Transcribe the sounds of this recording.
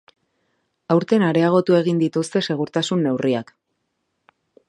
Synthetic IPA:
awɾt̪e̞naɾe̞aɣ̞o̞t̪ue̞ɣind̪it̪ust̪e̞se̞ɣ̞uɾt̪asunːe̞wriak

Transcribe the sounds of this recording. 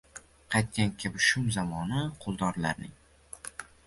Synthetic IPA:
qʰɑjt̪̚kʲankʲʰɪbɪʃʊmzamɒnɪqʰʊlˠd̪ɒɾlaɾnɪŋ

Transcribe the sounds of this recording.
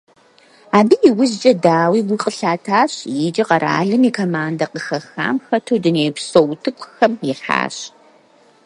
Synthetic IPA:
aːbiːjɪwʊzt͡ʃʼɐdaːwiːwiqʼəɬaːtʰaːɕjɪd͡ʒʼɪqɐɾʔa̰ːɮɨmiːkʰoːmaːndɐqəxɐxa̰ːmxɐtʰoːdɨneːpsowtʰɨkʷʰʼxɐmɪħa̰ːɕ

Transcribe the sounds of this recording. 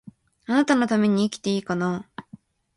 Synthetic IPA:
anat̪ano̞t̪ame̞ɲ̟iːkʲi̥t̪e̞iːkano

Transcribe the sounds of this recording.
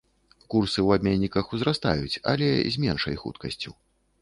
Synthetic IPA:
kursɨwabʲmʲenʲːikɐxuzrast̪a̰jut͡sʲɐ̰lʲɛzʲmʲɛnʂɐ̰jxṵt̪kɐsʲt͡sʲu

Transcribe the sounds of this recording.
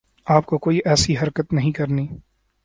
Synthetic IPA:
aːp̚kokoːiʔɛːsiɦɐɾkət̪nɐɦĩkɐɾniː

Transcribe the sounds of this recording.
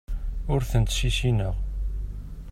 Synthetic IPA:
ʊɾθənt̪ʃiʃinəʁ

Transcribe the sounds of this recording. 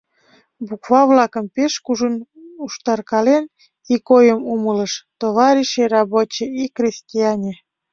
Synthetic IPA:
bukvɑvlɑkəmpeʃkuʒənuʃt̪ɑrkɑlen | ikojəmumələʃt̪oβɑɾʲiʃerɑbot͡ɕeikrʲesʲtʲiɑnʲe

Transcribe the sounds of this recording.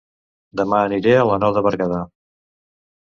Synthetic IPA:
d̪əmaəniɾeələnɔðəβəɾɣaða

